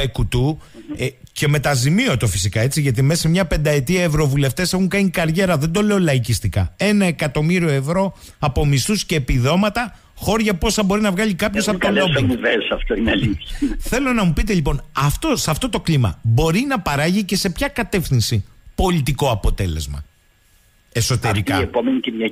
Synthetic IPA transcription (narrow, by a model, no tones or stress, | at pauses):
ekut̪u | ce̞me̞t̪ɐzimio̞t̪o̞fisikɐe̞t͡siʝɐt̪ime̞sɐmɲɐpe̞nd̪ɐe̞t̪iɐevɾo̞vule̞ft̪e̞se̞xuŋkɐɲikɐɾʝe̞ɾɐðe̞nd̪o̞le̞o̞lɐicist̪ikɐ̰e̞nɐe̞kɐt̪o̞miɾio̞e̞vɾo̞ | ɐpo̞mist̪usce̞ːpiðo̞mɐt̪ɐ | xo̞ɾʝɐpo̞sɐbo̞ɾinɐvɣɐʎikɐpçosɐpot̪olob̪iivesɐft̪oineɐliθɐθe̞lo̞nɐmupit̪̬eʎipo̞nɐft̪o̞sɐft̪o̞t̪o̞klimɐ̰bo̞ɾinɐpɐɾɐʝice̞se̞pçɐkɐt̪e̞fθinsipo̞lit̪iko̞ɐpo̞t̪e̞le̞̰zmɐ̰ | e̞so̞t̪e̞ɾikɐepomenicinjɐ